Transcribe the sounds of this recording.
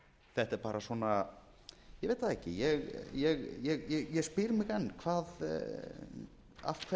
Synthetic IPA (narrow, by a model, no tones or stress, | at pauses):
θɛht̪ɛɾ̥paːɾaswɔːna | jɛɣveːjt̪aðɛhcɪ̰jɛɣjɛɣjɛɣjɛɣjɛspɪɾmɪɣɛnːkʰvaːð | a̰fkʰvɛ